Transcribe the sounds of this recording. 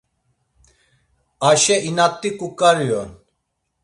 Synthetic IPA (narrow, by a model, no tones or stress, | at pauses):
aʃɛinat̪ːikukaɾijɔn